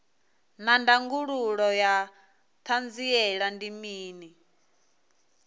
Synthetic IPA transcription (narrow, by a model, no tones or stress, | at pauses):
nandaŋɡuɺuɺɔja | t̪ʰand͡ziɛɺandimiːni